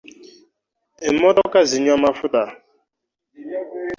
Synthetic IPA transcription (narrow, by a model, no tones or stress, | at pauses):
emɔdɔkaziɲamafʊta